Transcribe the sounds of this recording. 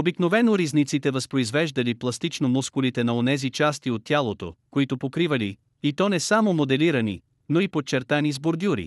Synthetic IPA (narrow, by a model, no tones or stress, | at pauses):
obiknovɛnoɾiznit̪sit̪ɛvɐspɾoizvɛʒd̪ɐliplˠɐst̪it͡ʃnomuskʊlit̪ɛnɐonɛzit͡ʃast̪iot̪ːʲjalˠot̪o̰koit̪opokɾivɐli | it̪ɔnɛsamomod̪ɛliɾɐnḭ | noipot͡ʃɛɾt̪anizboɾd̪ʲuɾḭ